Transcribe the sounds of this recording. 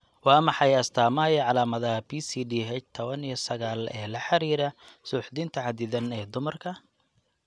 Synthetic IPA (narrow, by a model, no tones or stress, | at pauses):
wɑːmɑħɑjɐst̪ʰaːmaːjʕɑlaːmɐðɐɦɐpʰiːsiːɖiːɦɛt͡ʃt̪ʰɔβɐnijɐsɐɣaːlɛ̰ːlɐħɑɾiːɾɐsuːħd̪ɪnt̪ʰɐʕɑd̪ɪðɐnɛːd̪ʊmɐrkʰɐ